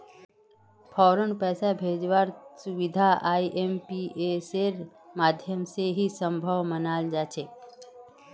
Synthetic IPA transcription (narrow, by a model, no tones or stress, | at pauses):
pʰɔːɾənpɛːsabʱeːd͡ʒʋaːɾsʊʋɪd̪ʱaaːiʔempiʔeseɾ | maːd̪ʱjəmseɦisə̃mbʱəʋmənaːld͡ʒaːt͡ʃʰeː